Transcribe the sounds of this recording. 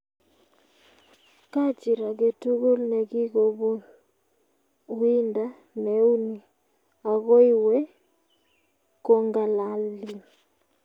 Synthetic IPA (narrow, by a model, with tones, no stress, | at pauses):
ka˦t͡ʃi˨ɾa˨ɡe˨tu˦ɣo˦lnɛ˨ɣi˦ɣo˨βo˦ | wi˦nda˦ | nɛ˨u˦ni˨ | a˨ɣo˦i˦wɛ˦ | ko˦ŋɡa˨la˨li˨